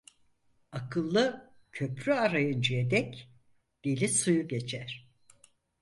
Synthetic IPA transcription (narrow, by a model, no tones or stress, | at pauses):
akʰɯlˠːɯ | cʰø̞pɾyaɾajɯnd͡ʒied̪ɛc | d̪̥elʲisujuɟet͡ʃʰæɾ̥